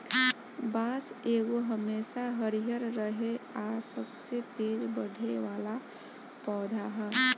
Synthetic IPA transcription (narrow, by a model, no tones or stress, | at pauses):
baːseːɡoɦəmeːsaɦəɾijəɾɾəɦeasəbset̪eːd͡ʒbəɽ̤ʱeʋaːla | pɔːd̪ʱaɦɛː